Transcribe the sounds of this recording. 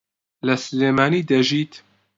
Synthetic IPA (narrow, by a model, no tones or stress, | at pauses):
lɛsɨleːmaːniːd̪ɛʒiːt̪